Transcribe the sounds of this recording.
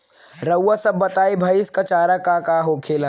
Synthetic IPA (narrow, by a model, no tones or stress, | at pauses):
ɾəwasɐbːɐt̪aːibʱaːjɪskat͡ʃaːɾakakaːɦokʰeːlã